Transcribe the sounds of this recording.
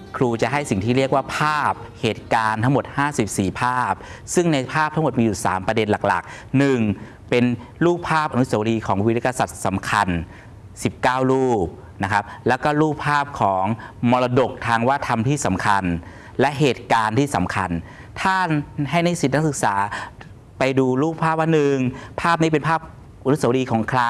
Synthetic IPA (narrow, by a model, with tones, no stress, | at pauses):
kʰɾuː˧t͡ɕa˨˩ʔɦa˥˩jsi˨˩ŋt̪ʰiː˥ɾi˥˩ək̚waː˥˩pʰaː˥˩p̚heː˨˩t̪̚kaː˧nt̪ʰa˦˥ŋmo˨˩t̪̚haː˥˩si˨˩p̚siː˨˩pʰaː˥˩p̚sɯ˥˩ŋna˧jpʰaː˥˩p̚t̪ʰa˦˥ŋmo˨˩t̪̚miː˧juː˨˩sa̰ː˩˦mpɾa˧de˧nla˨˩k̚la̰˨˩k̚ | nɯ˨˩ŋ | pe˧n | ɾuː˥˩k̚pʰaː˥˩p̚ʔa˧nu˦˥sa˨˧˦wa˧liː˧kʰɔː˩˦ŋwi˦˥˦ka˧sa˨˩t̪̚sa˩˦mkʰa˧n | si˨˩p̚kaː˥˩wluː˥˩p̚ | na˦˥kʰa˦˥p̚lɛ˦˥wkɔː˥˩ɾuː˥˩k̚pʰaː˥˩p̚kʰɔː˩˦ŋmɔː˧laː˧do˨˩k̚t̪ʰaː˧ŋwaː˥˩t̪ʰa˧mt̪ʰiː˥˩sa˩˦mkʰa˧n | lɛ˦˥ʔɦeː˨˩t̪̚kaː˧nt̪ʰiː˥˩sa˩˦mkʰa˧n | t̪ʰaː˥˩ɦa˥˩jna˥˩jsi˨˩na˦˥sɯ˨˩k̚saː˩˦ | pa˧jduː˧ɾuː˥˩k̚pʰaː˥˩p̚waː˥˩nɯ˨˩ŋpʰaː˥˩p̚niː˥˩pe˧npʰaː˥˩p̚ | ʔa˧nu˦˥sa˧˦wdiː˧kʰɔː˩˦ŋkʰlaː˧˩